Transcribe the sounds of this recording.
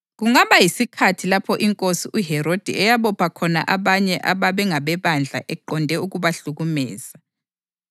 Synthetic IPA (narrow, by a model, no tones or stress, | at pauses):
ɣuŋaβajisikʰatʰilapʰɔʔiŋkʼosiʔuɦɛɾod̥ʱḭɛjaβɔpʰakʰɔna̰ʔaβaɲɛʔaβaβɛŋaβɛβand͡ɮʱa̰ʔɛǃɔndʱɛuɣuβaɬuɣumɛ̰ːz̥a